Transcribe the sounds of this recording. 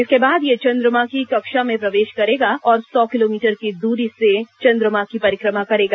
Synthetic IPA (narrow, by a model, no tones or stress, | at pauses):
ɪskebaːd̪jet͡ʃɐ̃nd̪ɾəmakikɐkʃamẽpɾɐʋeːʃkɐɾeːɡaɔːɾsɔːkɪloːmiːʈəɾkid̪uːɾiset͡ʃɐ̃nd̪ɾəmakipɐɾɪkɾəmakɐɾeːɡaː